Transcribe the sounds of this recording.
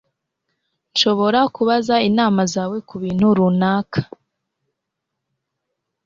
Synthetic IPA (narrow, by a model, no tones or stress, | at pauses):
nʃo̞βo̞ɾakuβazainaːmazaːwe̞kuβiːn̥huɾunaːkʰḁ